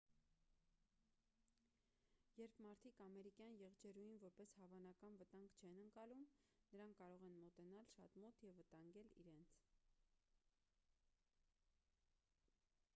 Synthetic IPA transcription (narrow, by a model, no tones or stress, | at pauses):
jɛɾpʰmɑɾt̪ʰikɑmɛɾikjɑnjɛʁd͡ʒɛɾujinvɔɾpɛshɑvɑnɑkɑnvət̪ɑŋɡt͡ʃʰɛnəŋkɑlumnəɾɑŋkʰːɑɾɔʁɛnmɔt̪ɛnɑlʃɑt̪mɔt̪jɛvːət̪ɑŋɡɛlḭɾɛnt͡sʰ